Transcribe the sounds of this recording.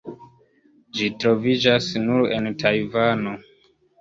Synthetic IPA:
d͡ʒitɾo̞vid͡ʒasnuɾe̞ntʰajvano

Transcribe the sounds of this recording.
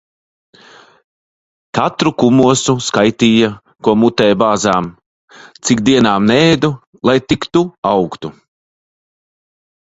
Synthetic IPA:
kat̪ɾukumuɔsuskajt̪iːja | kuɔmut̪ɛːjbaːzaːm | t̪sikd̪iɛnaːmnɛːd̪u | lˠajt̪ikt̪uawkt̪u

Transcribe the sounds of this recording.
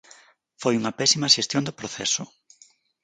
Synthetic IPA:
fojuŋɐpɛsimɐʃest̪jond̪ʊpɾoθɛ̰sʊ

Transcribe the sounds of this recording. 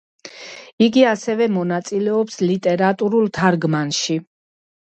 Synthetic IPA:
iɡiasɛvɛmɔnat̪sʼilɛɔpslit̪ʼɛɾat̪ʼuɾulˠt̪ʰaɾɡmanʃi

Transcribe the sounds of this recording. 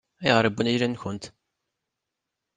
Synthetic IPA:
æjʁɾˤəbːunijlænçʊnt̪

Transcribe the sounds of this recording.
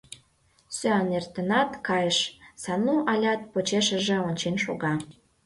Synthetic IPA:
søɑnert̪ə̆nɑt̪kɑjəʃsɑnuɑlʲɑt̪̚pot͡ɕeʃə̆ʒĕonʲt͡ɕenʃo̰ɣɑ

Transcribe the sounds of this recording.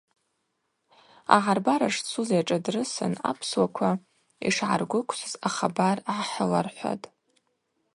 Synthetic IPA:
a̰ʁarbaɾaʂt͡sʰuzaʈ͡ʂʼadrɨsɨ̰na̰pʰswakʷʰa | iʂʕa̰rɡʷʊkʷʰsʷɨzaχabarʕaħəlarħʷa̰tʼ

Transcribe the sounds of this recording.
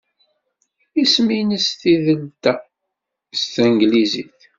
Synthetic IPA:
isminəst̪iðəlt̪æ | st̪əŋɡliziθ

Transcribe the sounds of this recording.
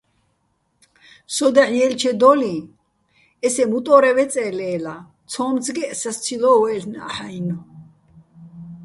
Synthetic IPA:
sɔd̪aħjɛlt͡ʃʰɛd̪ɔli | ɛsɛmut̪ʼɔːɾɛwɛt͡sʼɛːlɛːla | t̪t͡sʰɔːmzɡɛsast̪t͡sʰilɔwɛlna̰ħainɔ

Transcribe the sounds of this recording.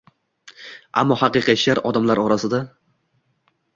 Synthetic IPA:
a̰mːɒhɑqɨqʰɑt͡ʃlaɾɒd̪amlaɾɒɾasɪd̪a

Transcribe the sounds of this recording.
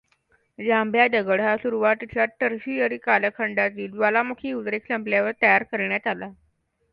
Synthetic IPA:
d͡ʑãmbʱjadəɡəɽ̤asuɾuʋat̪it͡ɕjaʈəɾɕiəɾikaləkʰəɳɖat̪iːlʋalamukʰiːut̪ɾeksəmpljaʋəɾt̪əjaɾkəɾɳjat̪ala

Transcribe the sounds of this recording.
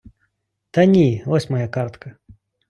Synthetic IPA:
t̪ɐnʲivɔsʲmɐjakart̪kʰɐ

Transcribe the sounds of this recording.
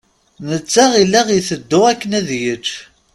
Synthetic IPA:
nət͡sːæʁilːæʁiθəd̪ːʊʁækːənæðjəd͡ʒ

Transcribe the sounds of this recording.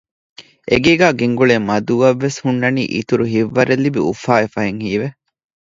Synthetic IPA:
eɡeːɡæːɡeŋɡuɭeːmɐd̪uɐʋːeshunːɐnḭːʔit̪uɾuɦiʋːɐɾelːibiufaːefɐɦeŋhiːʋe

